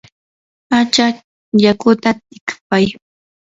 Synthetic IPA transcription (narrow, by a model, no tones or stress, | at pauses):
at͡ʃa | jakʊt̪at̪ɪkpaj